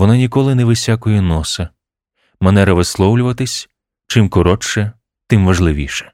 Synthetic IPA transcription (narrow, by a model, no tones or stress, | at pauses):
ʋɔnɑnʲikɔlˠɪnɛʋɪsʲakɔjɛnɔsɐ | mɛnɛɾɐʋɪslˠɔwlʲʊʋɐt̪ɪsʲ | t͡ʃɪmkɔɾɔt͡ʃɛ | t̪ɪmʋɐʒlˠɪʋʲḭʃɛ̥